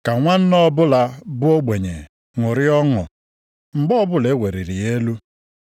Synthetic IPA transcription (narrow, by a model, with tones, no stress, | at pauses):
ka˨ŋʷa˦n̩˦nɔ˦bʊ˦la˦bʊ˦o˦ɡ͡be˨ɲe˨ | ŋʊ˨ɾɪ˦ɔ˦ŋʊ˨ | ŋ͡m̩˨ɡ͡bɔ˦bʊ˦le˨˦wʷe˨ɾi˨ɾi˨e˦lu˦